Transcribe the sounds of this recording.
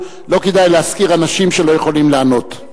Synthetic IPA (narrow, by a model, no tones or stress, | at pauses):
lo̞kedajleaskiʁanaʃimʃelo̞je̞χo̞limleano̞t